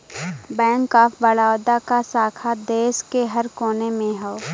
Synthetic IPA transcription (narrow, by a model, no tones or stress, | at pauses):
bɛ̃ːŋkaːfbəɭaːʊd̪akasaːkʰad̪eːʃkeɦɐɾkoːnemẽɦɛo